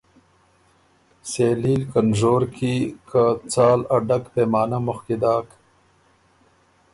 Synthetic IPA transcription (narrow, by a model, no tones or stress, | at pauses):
seːlilkənzoːɾkikʰat͡saːlɐɖɐkpeːmɑːnamʊxkid̪ɑːk